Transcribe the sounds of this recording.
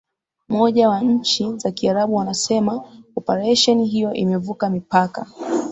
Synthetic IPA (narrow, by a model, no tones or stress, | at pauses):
mɔʄawaɲ̩t͡ʃizakiaɾaɓuwanasɛmaɔpaɾɛʃɔniɦijɔʔimɛvukamipaka